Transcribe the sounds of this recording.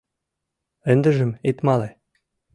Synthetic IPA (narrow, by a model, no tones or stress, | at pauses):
ɘ̆nd̪ɘ̆ʒɘ̆met̪mɑle